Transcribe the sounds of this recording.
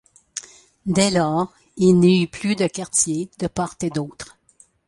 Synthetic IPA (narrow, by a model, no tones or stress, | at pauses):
d̪ɛlɔːʁ | ilniyplyd̪əkaʁt̪jed̪̥əpɔʁt̪ed̪ɔwt̪ʁ